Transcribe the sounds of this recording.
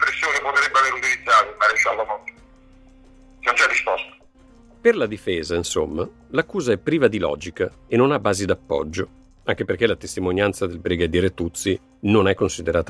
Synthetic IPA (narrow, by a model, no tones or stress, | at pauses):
pɾesːjoːnepot̪ɾebːeaveːɾut̪ilid̪zaːt̪omaɾeʃandafɔt̪ːo̥ | nont͡ʃɛdːispɔst̪ḁ | perlad̪ifɛːzainsomːa | lakːuːzaɛpːɾiːvad̪ilɔ̰ːd͡ʒikaenːonabːaːzid̪apːɔ̰d͡ʒːo | aŋk̟eperk̟elat̪est̪imonjant̪sad̪elbɾiɡad̪jiːɾet̪ːut̪si | nonɛkːonsid̪eɾʔaːt̪